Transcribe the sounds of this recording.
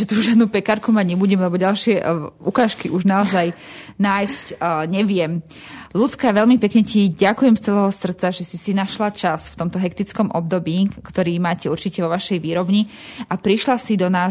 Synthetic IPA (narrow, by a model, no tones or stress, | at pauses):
ʒɛt̪uʒɪad̪nuːpɛkaɾkumaɟɲɛbuɟɛmlɛbɔɟalʃɪɛukaːʃkiʔuʒnaɔzajnaːjscɲɛʋɪɛm | lut̪t͡skaʋɛʎmipɛkɲɛciɟakujɛmst͡sɛlɛːɦɔsr̩t̪t͡saʒɛsisinaʃlat͡ʃasft̪ɔmt̪ɔɦɛkt̪it͡skɔmʔɔb̚d̪ɔbiːkt̪ɔɾiːmaːcɛuɾt͡ʃicɛʋɔʋaʃɛjʋiːɾɔbɲi | apɾiʃlasid̪ɔnaː